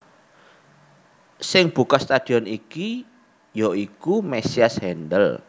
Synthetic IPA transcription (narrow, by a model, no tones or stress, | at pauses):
sɪŋb̥ṳkɔst̪ad̪̥i̤ɔniki | joikumesiashɛndəl